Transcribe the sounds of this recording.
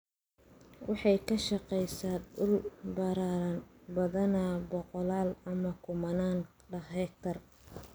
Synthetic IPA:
wɑħɑjkʰɐʃɑqɛjsaːd̪ʊlbɐɾaːɾɐnbɐðɐnabɔqɔlaːlɐmɐkʰʊmɐnaːn | ɖɐɛk̚t̪ʰɐr

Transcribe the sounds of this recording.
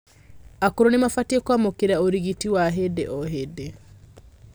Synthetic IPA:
akuɾonemafatiekwamokeɾaoɾiɣitiwaɦedḛʔɔɦede

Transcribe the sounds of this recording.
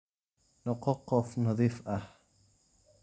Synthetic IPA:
noqoqofnoðifah

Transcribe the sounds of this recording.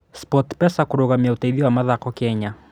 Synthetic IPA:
spɔtpɛsakuɾoɣamiautaiðiwamaðakɔkɛɲa

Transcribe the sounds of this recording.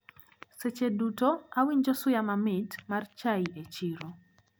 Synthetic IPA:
set͡ʃedutoawiɲd͡ʒɔsʊjamamɪtmart͡ʃaiʔet͡ʃiɾo

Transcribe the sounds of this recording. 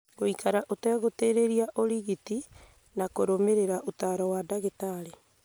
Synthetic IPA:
ɡoikaɾaʔotɛːɣoteɾeɾiaʔoɾiɣiti | nakoɾomeɾeɾaʔotaːɾɔwadaɣetaɾe

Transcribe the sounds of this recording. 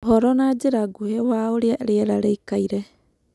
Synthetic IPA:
ɦoɾɔnad͡ʒeɾaɡuhewaoɾiaʔeɾiaɾaɾejkajɾe

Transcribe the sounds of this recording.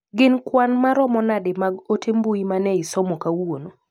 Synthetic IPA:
ɡɪnkwanmaɾɔmɔnadɪmaɡotʰembuimanɛɪsɔmokawono

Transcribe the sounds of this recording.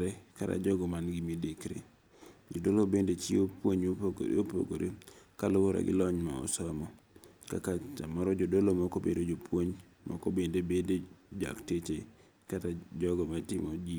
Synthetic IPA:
ɾɛkata̰d͡ʒɔɡɔmanɡɪmidɪkɾḛ | d͡ʒodolobendet͡ʃiopwoɲopoɡ̰ɾ̰opo̰ɡoɾʔḛkalʊwoɾa̰ɡɪ̰lɔɲma̰ɔ̰sɔmɔ | ka̰kaamɔɾɔd͡ʒodolomɔkobḛdod͡ʒopwoɲ | mʔɔ̰kobendebended͡ʒa̰ktet͡ʃe | katad͡ʒɔɡɔmatɪmɔd͡ʒi

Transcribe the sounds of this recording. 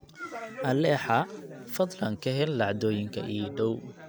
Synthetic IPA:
ʔɐlɛːħɑfɐðlɐŋkʰɐɦɛlːɑʕd̪ɔːjɪŋkʰɐʔiɖɔw

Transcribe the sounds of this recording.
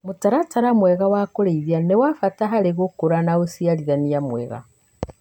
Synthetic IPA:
motaɾataɾamwɛɣawakoɾeiðianewafataɦaɾeɣokoɾanaosiaɾiðaniamwɛ̰ɣa̰

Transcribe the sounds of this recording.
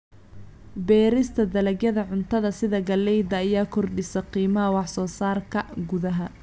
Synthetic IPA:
bɛːɾɪst̪ʰɐd̪ɐlɐɡjɐðɐʕʊnt̪ʰɐðɐsɪðɐɡɐlːɛjd̪ɐːjaːkʰɔrɖɪsɐqiːmɐɦɐwɑħsɔːsaːrkʰɐɡʊðɐɦɐ

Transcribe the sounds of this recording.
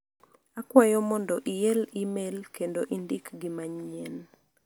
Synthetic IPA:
akwajɔmɔndɔʔɪjɛlimelkendoʔindikɡimaɲɲɛn

